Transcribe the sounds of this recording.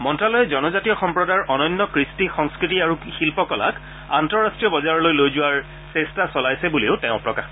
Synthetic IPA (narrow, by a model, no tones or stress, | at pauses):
mɔntɹalɔjɛzɔnɔzatijɔxɔmpɹɔdaɹʔɔnɔjnːɔkɹistixɔŋskɹitiaɹuxilpɔkɔla̰k | antɔɹastɹijɔbɔzaɹɔlojlojzʊwaɹ | sɛstasɔlajsɛbuliʊtɛʊ̃pɹɔkax